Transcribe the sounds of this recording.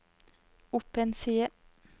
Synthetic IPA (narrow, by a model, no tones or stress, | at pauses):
ʊpənsiːə